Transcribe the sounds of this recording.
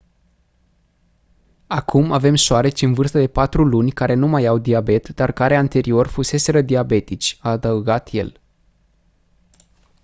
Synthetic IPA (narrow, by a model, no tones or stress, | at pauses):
akʰumave̞mʃoaɾe̞t͡ʃʲɨnvɨrst̪əd̪e̞pat̪ɾulunʲkaɾe̞numajawd̪iabe̞t̪d̪arkaɾe̞ant̪e̞ɾio̞rfuse̞se̞ɾəd̪iabe̞t̪it͡ʃʲaːd̪əuɡat̪je̞̰l